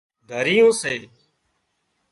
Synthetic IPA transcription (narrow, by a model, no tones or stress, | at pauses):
d̪ʱəɾijũːseː